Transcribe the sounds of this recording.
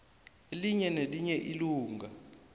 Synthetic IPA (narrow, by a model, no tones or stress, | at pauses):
eliɲɛneliɲɛʔiluːŋʱa